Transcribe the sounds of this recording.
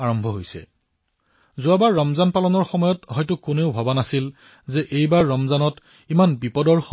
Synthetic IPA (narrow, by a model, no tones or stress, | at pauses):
aɹɔmbʱɔɦojsɛ̰ | zʊabaɹːɔmzanpalɔnɔɹxɔmɔjɔtɦɔjtʊkʊneʊbʱabanasil | zɛʔejbaɹːɔmzanɔt | imanbipɔdɔɹxɔ